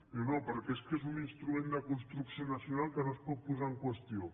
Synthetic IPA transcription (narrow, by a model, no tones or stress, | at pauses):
onopəɾkeskesuninst̪ɾumẽnd̪akunst̪ɾuksjonasjunalˠkənospɔt̪̚puzaŋkwest̪io